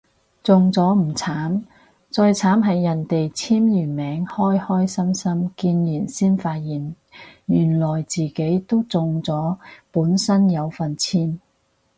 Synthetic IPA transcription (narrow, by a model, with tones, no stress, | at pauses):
t͡sʊ˨˧ŋt͡sɔː˨˥m̩˨˩t͡sʰaː˨˥m | t͡sɔː˧jt͡sʰaː˨˥mɦɐ˨jːɐ˨˩nt̪e˨jt͡sʰiː˥mjyː˨˩nmɛː˨˥ŋhɔː˥jhɔː˥jsɐ˥msɐ˥mkiː˧njiː˨˩nsiː˥nfaː˧t̚jiː˨˩n | jyː˨˩nlɔː˨˩jt͡siː˨ke˨˥jt̪o˥wt͡sʊ˨ŋt͡sɔː˨˥puː˨˥nsɐ˥njɐ˨˧wfɐ˨nt͡sʰiː˥m